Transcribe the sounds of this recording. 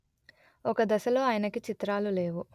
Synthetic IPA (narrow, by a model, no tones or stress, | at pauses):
ɔkɐd̪ɐsɐlo̞ːaːjɐnɐkit͡ʃit̪ɾaːlule̞ːʋu